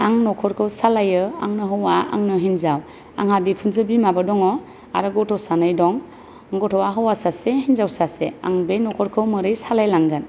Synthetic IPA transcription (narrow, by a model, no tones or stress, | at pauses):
aŋnɔkʰɔɾkʰɯwsalajɯa̰ŋnɯɦɯwaa̰ŋnɯɦinzaw | a̰ŋɦabikʰunzɯbimabadɔŋɔ | aɾɯɡɔtʰɔsanɯjdɔŋ | ɡɔtʰɔwaɦɯwasasehinzawsasea̰ŋbenɔkʰɔɾkʰɯwmɯɾɯjsalajlaŋɡɯn